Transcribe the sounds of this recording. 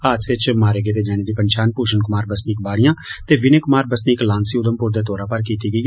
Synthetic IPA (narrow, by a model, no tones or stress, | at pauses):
aːt̪sɪt͡ʃmaːɾeːɡeːt̪eːd͡ʒɛːɽ̃eːd̪iːpənt͡ʃaːnpuːʃənkʊmaːɾbəsniːkbaːɽɪjãːt̪eːʋɪneːkʊmaːɾbəsniːklãːnsiːʊd̪əmpʊɾd̪eːt̪oːɾaːpəɾkiːt̪iːɡəiː